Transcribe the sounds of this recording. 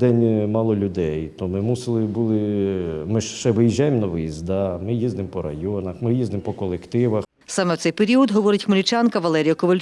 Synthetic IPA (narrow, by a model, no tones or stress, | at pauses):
d̪ɛnʲmɑlˠɔlʲʊd̪ɛjt̪ɔmɪmusɪlˠɪbulˠɪmɪʃʃɛʋɪjiʒajɪmnɐʋɪjizd̪ɑmɪjizd̪ɪmpɔɾɐ̰jɔnɐxmɪjizd̪ɪmpɔkɔlˠekt̪ɪʋɐx | sɑmɛwt̪ɛjpeɾʲiɔd̪ɦɔʋɔɾɪtʲxmɔlʲit͡ʃɑnkɐʋɐlˠɛɾʲijɐkɔʋɐlʲ